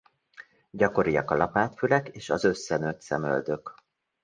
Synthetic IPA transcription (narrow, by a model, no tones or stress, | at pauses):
ɟɒko̞ɾijɒkɒlɒpaːt̪fylɛkeːʃɒzø̞sːɛnøt̪sɛmø̰ld̪ø̞k